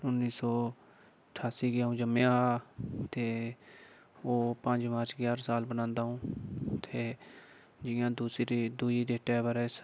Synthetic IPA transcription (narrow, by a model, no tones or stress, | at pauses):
ʊnːiːsɔː | ʈʰaːsiːɡɪjaːɦũːd͡ʒəmeã | t̪eː | oːpə̃ɲd͡ʒmaːɾt͡ʃɡjaːɾsaːlbənãːnd̪aːɦũːt̪ʰeː | d͡ʒɪjãːd̪uːsd̪uːiːd̪eːʈɛːbəɾeːs